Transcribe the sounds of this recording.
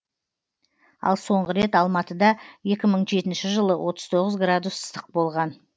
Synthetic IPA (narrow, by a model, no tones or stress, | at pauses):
ɑ̰lˠso̞ɴʁəɾe̞t̪ɑlˠmɑt̪əd̪ɑje̞kʲɪməɴʒe̞t̪ɪnʃɪʒəlˠəwʔo̞t̪əz̥t̪ʰo̞ʁəzɡrad̪usst̪əq̚bo̞lˠʁɑn